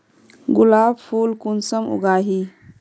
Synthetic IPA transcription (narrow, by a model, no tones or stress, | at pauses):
ɡulabfulkunsəmṵɡaːɦi